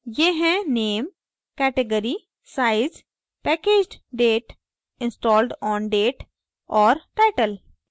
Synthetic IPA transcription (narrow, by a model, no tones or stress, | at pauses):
jeɦɛ̃neːm | kɛːʈeɡəɾi | saːɪz | pɛːkeːd͡ʒɖɖeːʈ | ɪ̃nsʈɔːlɖɔ̃ːnɖeːʈ | ɔːɾʈaɪʈəl